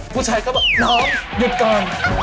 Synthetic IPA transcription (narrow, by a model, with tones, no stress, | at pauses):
kʰuː˧˩t͡ɕʰaː˧jka˦˥wbaː˨˩nɔː˦˥ŋju˨˩t̪̚kɔː˧n